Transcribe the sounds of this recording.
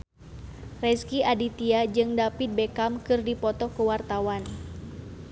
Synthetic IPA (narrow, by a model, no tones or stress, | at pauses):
rɛskiadit̪iad͡ʒɨŋdapit̪̚bekamkɨrdipɔt̪ɔkəwart̪awan